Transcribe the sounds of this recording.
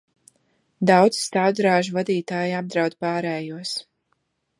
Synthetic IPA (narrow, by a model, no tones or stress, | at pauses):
d̪awd̪z̥st̪awd̪ɾaːʒuvad̪iːt̪aːjab̚d̪ɾawd̪paːɾɛːjuɔs